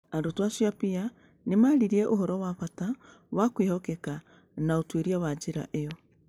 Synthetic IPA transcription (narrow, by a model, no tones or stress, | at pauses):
andotwasjapia | nemaɾiɾiɛʔoɦɔɾɔwaβata | wakwehɔkɛka | naotweɾiawad͡ʒeɾa̰ʔeɔ